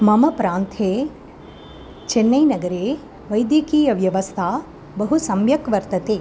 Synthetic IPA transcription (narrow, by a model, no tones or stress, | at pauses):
mɐmɐpɾaːnt̪ʰeː | t͡ʃenːɐjnɐɡɐɾeː | ʋɐjd̪jɐkiːjɐʋjɐʋɐst̪ʰaː | bɐɦusɐmjɐkʋɐɾt̪ɐt̪eː